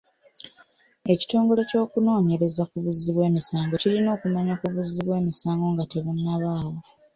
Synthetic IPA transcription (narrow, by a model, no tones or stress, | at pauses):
e̞ci̥to̞ːŋɡo̞le̞co̞ːkuno̞ːɲe̞ɾe̞zakuβuzːiβwe̞ːmisaːŋɡo̞cilino̞ːkumaɲakuβuzːiβwe̞ːmisaːŋɡo̞ŋɡate̞βunːaβaːwo